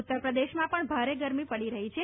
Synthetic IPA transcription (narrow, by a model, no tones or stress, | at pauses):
ut̪ːəɾpɾəd̪eʃmãpəɳbʱaɾeɡəɾmipəɽiɾəɦit͡ʃʰe